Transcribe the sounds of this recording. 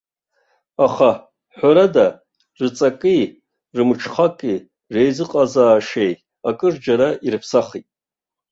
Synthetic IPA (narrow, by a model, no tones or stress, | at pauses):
aχa | ħʷaɾada | rɨt͡sʼakʼi | rɨmɨʈ͡ʂʰχakʼi | re̞jzɨqʼazaːʂej | akʼɨrd͡ʒaɾaʔirɨpʰsaχitʼ